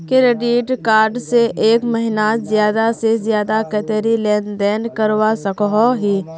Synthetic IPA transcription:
keɾeɖiːʈkaːɾɖseʔeːkməɦɪnazjaːd̪asezjaːd̪akət̪eɾilɛːnd̪ɛːnkɐɾwasɐkɦoɦi

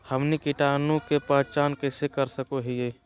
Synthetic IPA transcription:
həmnikiʈaːnũkepəɦt͡ʃaːnkesekəɾsəkoɦɛje

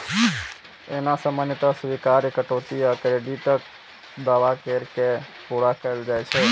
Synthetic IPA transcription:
ḛnasəmənt̪əsʋikaɾekəʈot̪iəkɾeɖiʈək | d̪aʋakeɾkepuɾakəeld͡ʒajt͡ʃʰɛ

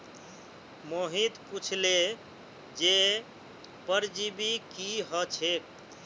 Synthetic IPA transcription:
moɦit̪put͡ʃʰle | d͡ʒe | pəɾd͡ʒibikiɦət͡ʃʰe

